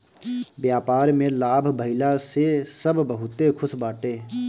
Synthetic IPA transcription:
bjaːpaːɾmẽlaːbʱbʱəɪlasesəbʱbəɦʊt̪ekʰʊsbaːʈeː

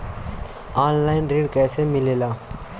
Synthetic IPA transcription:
aːnlaːɪnɾeːɖkɛːsemɪleːlaː

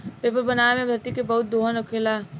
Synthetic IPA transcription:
peːpəɾbənaːmẽbʱɐɾt̪ikebɐɦʊt̪̚d̪oːɦənokʰelaː

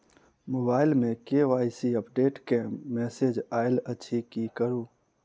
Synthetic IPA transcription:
moːbaːɪlmẽkeʋaːisiəpɖeːʈkemmːɛːseːd͡ʒaːɪlətːʃʰikikəɾuː

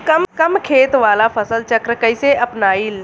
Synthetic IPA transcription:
kɐmkɐmkʰeːt̪ʋaːlafʰɐsəlt͡ʃɐkɾəkəiseʔɐpnaːil

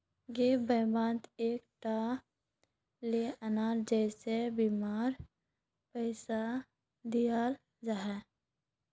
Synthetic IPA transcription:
ɡebʱəːbãːnd̪eːkʈa | leənaːɾd͡ʒɛːsebimaːɾ | pəɪsa | d̪ijaːl | d͡ʒaɦɛ

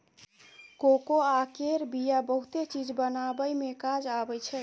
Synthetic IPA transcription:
kokoakeɾbijabəɦut̪et͡ʃid͡ʒbənabəjmekad͡ʒabɛt͡ʃʰɛ

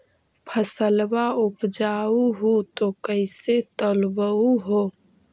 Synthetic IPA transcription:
pʰəsəlbaʊpd͡ʒaːuɦut̪okəɪset̪ɔlbəuɦoː

